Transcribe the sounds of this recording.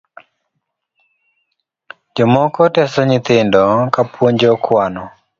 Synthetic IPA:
d͡ʒɔmɔkɔtɛsɔɲɪt̪ɪndɔkapwoɲd͡ʒɔkʰwanɔ

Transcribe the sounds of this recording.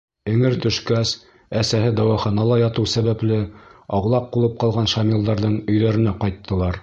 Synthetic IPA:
ɘ̆ŋɘɾt̪ɵ̆ʃkæs | æsæɦɘd̪ɑwɑχɑnɑlˠɑjɑt̪ɤwsæβæplɘɑwlˠɑp̚qulˠɤp̚qɑlˠʁɑnʃɑmilˠd̪ɑɾðɤɴɵ̆jðæɾɘ̆næqɑjt̪ːɤ̆lˠɑɾ

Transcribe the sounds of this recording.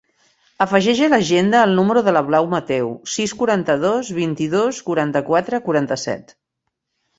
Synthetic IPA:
əfəʒɛʒələʒend̪əːlˠnuməɾuðələβlawmət̪ɛwsiskuɾant̪əðozβint̪iðoskuɾant̪əkwat̪ɾəkuɾant̪əsɛ̰t̪

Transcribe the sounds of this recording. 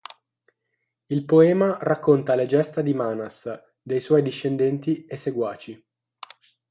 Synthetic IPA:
ilpoɛːmarakʰːont̪aled͡ʒɛst̪ad̪imaːnas | d̪ejswɔjd̪iʃːend̪ɛnt̪iesːeɡwaːt͡ʃi

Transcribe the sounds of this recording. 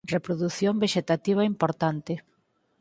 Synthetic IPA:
repɾoðuθjombeʃet̪at̪iβ̞aimpoɾt̪ant̪ɪ

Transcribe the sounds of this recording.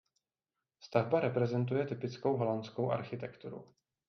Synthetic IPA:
st̪avbaɾɛpɾɛzɛnt̪̬ujɛt̪ɪpɪt͡sko̞wɦo̞lant͡skowʔa̰ɾxɪt̪ɛkt̪uɾṵ

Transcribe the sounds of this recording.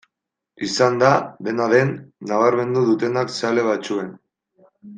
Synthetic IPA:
isand̪aðe̞naðe̞nːaβ̞aɾme̞nd̪uðut̪e̞naksale̞β̞at͡sue̞n

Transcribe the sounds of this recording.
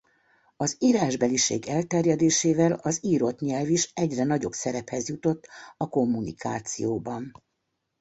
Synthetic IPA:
ɒziːɾaːʒbɛliʃḛːɡɛlt̪ɛrjɛd̪eːʃeːvɛlɒziːɾo̞t̪ɲɛlviʃɛɟrɛnɒɟo̞̰bsɛɾɛphɛzjut̪o̞t̪ːɒko̞mːunḭkaːt̪sḭjoːbɒn

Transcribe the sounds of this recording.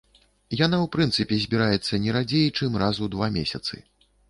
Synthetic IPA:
janawpɾɨnt̪sɨpʲɛzʲbʲiɾajɛt̪sːɐnʲɛɾad͡zʲejt͡ʂɨmrazud̪vamʲesʲɐt̪sɨ̰

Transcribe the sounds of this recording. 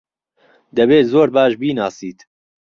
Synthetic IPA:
d̪ɐbeːzoːɾbaːʃbiːnaːsiːt̪

